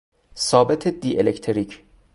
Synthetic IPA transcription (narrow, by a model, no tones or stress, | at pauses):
sɒːbet̪ʰed̪iːʔelecʰt̪ʰeɾiːcʰ